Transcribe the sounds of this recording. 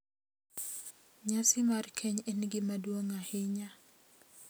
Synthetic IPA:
ɲasɪmarkʰɛɲenɡɪmadwoŋahɪɲa

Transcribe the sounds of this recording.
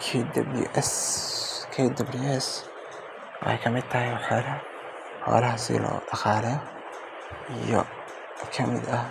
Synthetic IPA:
kʰid̪ɐ̰bṵʔɛs | kʰɛjd̪ɐbliɛs | ʔɛ̰jkʰɐmɪd̪t̪ʰɐhjwħɔːlɐɐ | ħɔ̰ːlɐɦɐsɪ̰lɔ̰ːɖɑqɑːlɛ | ijɔ̰ | kʰɐmɪ̰d̪ɐh

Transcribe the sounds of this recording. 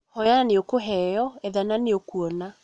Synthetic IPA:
hɔjaneokoɦɛjɔɛðananeokuɔna

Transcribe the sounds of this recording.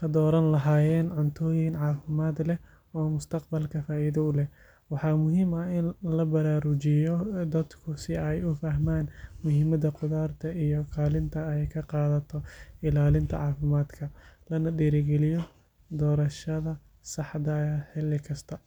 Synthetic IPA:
kʰɐd̪ɔːɾɐnlɐɦaːjɛːnʕʊnt̪ʰɔːjɪnʕɑːfɪmaːd̪lɛ | ɔːmʊst̪ʰɐqbɐlkʰɐfaːʔiðɐʊlɛh | wɑħɑːmʊɦɪmɐɪnlɐbɐɾaːɾʊt͡ʃɪjɔd̪ɐd̪kʰʊsɪɛjʊfɐɦmaːnmʊɦɪmɐðɐqʊðaːrt̪ʰɐʔijɔkʰaːlɪnt̪ʰɐɛjkʰɐqɑːðɐt̪ʰɔɪlaːlɪnt̪ʰɐ̰ʕɑːfɪmaːd̪kʰɐlɐnɐɖiːɾɪɡɛlɪjɔ | d̪ɔːɾɐʃɐðɐ | sɑħd̪ɐħɪlːɪkʰɐst̪ʰɐ

